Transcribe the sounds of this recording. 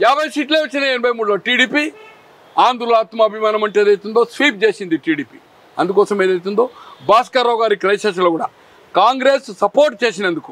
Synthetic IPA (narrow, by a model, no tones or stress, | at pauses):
jaːbʱɐjsiːʈleːʋɐt͡ʃːineenɐbɐjmuːɽloːʈiːɽiːpi | aːnd̪ɾulaːt̪mɐɐbʱimaːnɐmɐɳʈeːd̪ɐjt̪und̪o̞ːsʋiːp̚t͡ʃeːsind̪iʈiːɽiːpi | ɐ̰nd̪ukɔːsɐmeːd̪ɐjt̪̬und̪oːbaːskaːɾɐːwɡaːɾikɾɐjʃeːʃ̬ɐlɐɡuːɽaː | kaːŋɡɾeːssɐpoːɾʈ̚t͡ʃe̞ːsinɐnd̪uku